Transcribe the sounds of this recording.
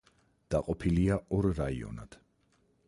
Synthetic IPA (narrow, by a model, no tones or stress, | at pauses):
d̪̥aqʼɔpʰiliaɔɾɾaiɔ̰nad̪̥